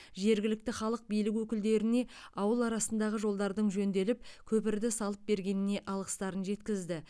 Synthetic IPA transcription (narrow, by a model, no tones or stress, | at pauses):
ʒe̞ɾɡʲɪlɪk̚t̪ɪχɑlˠəq̚bijlɪk̬wɵkʲɪld̪e̞ɾɪne̞ɑwəlˠɑɾɑsənd̪ɑʁəʒo̞lˠd̪ɑɾd̪əɴʒɵnd̪e̞lɪp̚kʲʰɵpɪɾd̪ɪsɑlˠəp̚be̞ɾɡʲe̞nɪne̞ʔɑlˠʁə̥st̪ɑɾənʒe̞t̪kʲɪzd̪ɪ